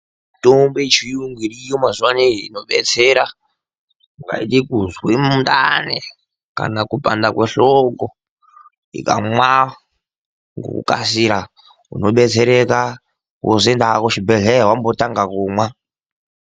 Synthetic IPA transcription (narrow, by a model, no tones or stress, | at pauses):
tombet͡ʃʰijuŋɡiɾijomazuwaniinoɓɛt͡sʰɛɾa | ŋɡa̰ḭtikuzwemuntanɛ | ka̰nakupʼandakweɬɔkɔ | ḭka̰mwa | ŋɡo̰kṵkʼa̰siɾa | ṵnoɓɛt͡sʰɛɾɛka | kosendaakot͡ʃʰibɛɮɛwambotaŋɡakuːmwa